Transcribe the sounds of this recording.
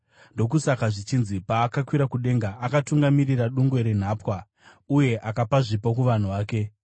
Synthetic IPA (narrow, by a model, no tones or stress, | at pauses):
ndo̞k̬usakaʐit͡ʃinzipaːkakwiɾakuɗe̞ŋɡaːkatuŋɡamiriraɗuŋɡwe̞ɾen̤aːpwa | uje̞ʔakapaʐipokuʋan̤uʋaːke̞